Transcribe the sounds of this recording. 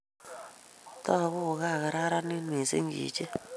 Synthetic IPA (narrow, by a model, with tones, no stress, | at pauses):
ta˦a˨βu˦˨ɣa˦˨ɣa˨ɾa˦ɾa˦ni˦ni˨sḛ˦ŋɡḭː˨t͡ʃɛ˦